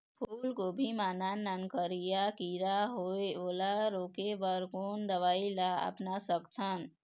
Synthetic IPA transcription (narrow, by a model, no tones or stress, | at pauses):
pʰuːlkobʱimananːənkəɾijakiɾaɦoeolaɾokebəɾkond̪əʋailaə̰pnasəkt̪ʰən